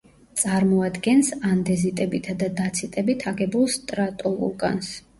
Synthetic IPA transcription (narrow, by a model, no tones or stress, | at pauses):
t̪sʼaɾmɔad̪ɡɛnsand̪ɛzit̪ʼɛbit̪ʰad̪ad̪at̪sʰit̪ʼɛbit̪ʰaɡɛbulˠst̪ʼɾat̪ʼɔlˠṵɾˠɡʼa̰ns